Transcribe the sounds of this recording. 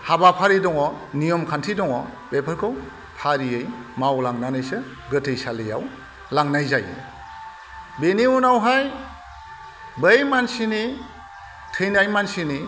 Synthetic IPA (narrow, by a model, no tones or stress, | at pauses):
habapʰaɾidɔŋɔnijɔmkʰantʰidɔŋɔ | bepʰɯɾkʰɯw | pʰaɾiejmawlaŋnanɯjsɯ | ɡɯtʰɯjsalɯja̰w | laŋnajzajɯ̰ | beniunawɦaj | bɯjmansini | tʰɯjnajmansini